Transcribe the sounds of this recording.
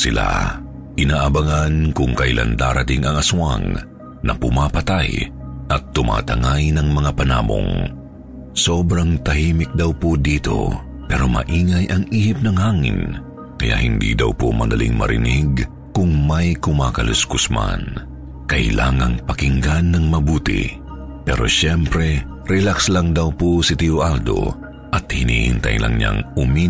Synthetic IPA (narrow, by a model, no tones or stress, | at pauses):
sɪla̰ | ʔɪnaːʔɐbɐŋankʊŋkɐʔjlʔa̰nd̪aːɾɐt̪ɪŋɐŋɐsua̰ŋ | nɐ̰pʊmapɐt̪ajʔɐt̪ːʊma̰ːt̪ɐŋajnɐŋmɐŋapɐnaːmo̰ŋ | so̞ːbɾɐŋt̪ɐhiːmɪk̚d̪ɐwpod̪iːt̪o̞̰ | pɛɾo̞mɐ̰ʔiːŋɐjʔɐŋʔiːhɪp̚nɐŋhaːŋɪ̰n | kɐja̰ʔhɪnd̪ḭːd̪ɐwpo̰mɐd̪ɐlḭŋmɐ̰ɾɪniɡ | kʊŋmɐjkʊmaːkɐlʊskʊsma̰n | kɐʔɪlaːŋɐŋpɐkɪŋɡanːɐŋmɐbuːt̪ɪ̰ | pɛɾo̞̰ʃɛmpɾɛ | ɾɛlakslaŋd̪ɐwposɪt̪ioʔald̪o̞̰ | ʔɐt̪̚hɪnḭːhɪ̰nt̪ɐ̰jlʔɐ̰ŋɲa̰ŋʊmi